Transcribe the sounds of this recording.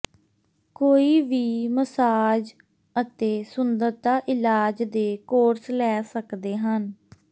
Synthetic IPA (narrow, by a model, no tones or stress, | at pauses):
koːiːʋiːməsaːd͡ʒ | ət̪eːsʊnd̪əɾt̪aːʔɪlaːd͡ʒd̪eːkoːɾslɛːsəkd̪eːɦən